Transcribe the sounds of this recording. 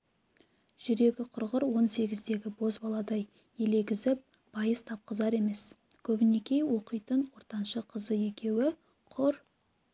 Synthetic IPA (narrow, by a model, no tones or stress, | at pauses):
ʒ̥ʏɾe̞ɡʲɪqʰʊɾʁəɾwo̞nse̞ɡʲɪzd̪e̞ɡʲɪbo̞zbɑlˠɑd̪ɑj | e̞le̞ɡʲɪzɪp̚ | b̥ɑjəst̪ʰɑp̚qəzɑɾe̞me̞skʲʰɵbɪne̞kʲe̞jwo̞qəjt̪ənwo̞ɾt̪ɑnʃəqʰəzəje̞kʲe̞wɪ | qʰʊɾ